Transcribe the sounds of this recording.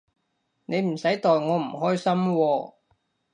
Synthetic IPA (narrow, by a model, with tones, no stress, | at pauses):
ne˨˧jm̩˨˩sɐ˨˥jt̪ɔː˨jŋɔː˨˧m̩˨˩ɦɔː˥jsɐ˥mwɔː˧